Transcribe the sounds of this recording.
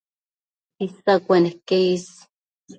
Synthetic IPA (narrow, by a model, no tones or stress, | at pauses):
isakʷenehkeis